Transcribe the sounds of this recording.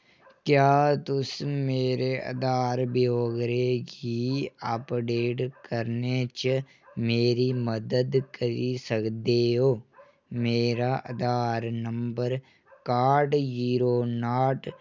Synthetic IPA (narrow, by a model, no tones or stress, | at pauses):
kjaːt̪ʊsmeːɾeɐ̰d̪aːɾbjoːɡɾekiaːpɖeːʈkɐɾnet͡ʃə | meːɾimɐd̪əd̪kɐɾisɐkd̪eːɦoː | meːɾaːʔɐd̪aːɾnɐmbəɾ | kaːɾɖd͡ʒiːɾoːnaːʈ